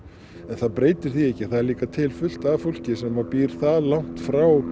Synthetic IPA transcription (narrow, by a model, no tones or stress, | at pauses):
ɛnθaðpɾeːjt̪ɪɾ̥θiɛhcːɪθaðɛɾliːkat̪ʰɪlfʏl̥t̪avfowl̥cɪsɛmvaɾpiːɾ̥θaðlawŋ̥t̪fɾaw